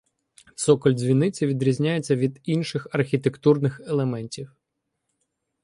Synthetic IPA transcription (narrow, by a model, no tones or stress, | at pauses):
sɔkɔlʲzʲʋʲinːɪt͡sʲiʋʲid̪ɾʲizʲnʲajet͡sʲːɐʋʲid̪inʃɪxɐrxʲit̪ekt̪urnɪxelˠemɛnʲtʲiw